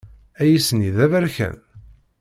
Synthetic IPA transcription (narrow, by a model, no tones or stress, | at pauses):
æjisəniðævæɾçæ̰n